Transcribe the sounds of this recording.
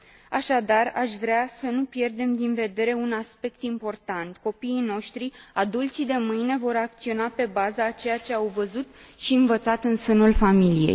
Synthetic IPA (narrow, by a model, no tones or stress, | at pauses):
aʃad̪araʃʲvɾeasənupje̞rd̪e̞md̪inve̞d̪e̞ɾe̞unaspe̞k̚t̪impo̞rt̪ant̪ko̞piːno̞ʃt̪ɾiad̪ult̪sid̪e̞mɨjne̞vo̞ɾak̚t̪sio̞nape̞bazat͡ʃe̞jat͡ʃe̞awvəzut̪ʃiɨnvət̪sat̪ɨnsənulfamilijḛjj